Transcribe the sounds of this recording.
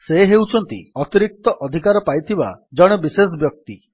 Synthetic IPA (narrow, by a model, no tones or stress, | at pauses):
seɦewt͡ʃʰɔnt̪ḭɔt̪iɾik̚t̪ɔʔɔd̪ʱikaɾɔpajt̪ʰiba̰d͡ʒɔɽ̃ɔbises̬bjɔk̚t̪i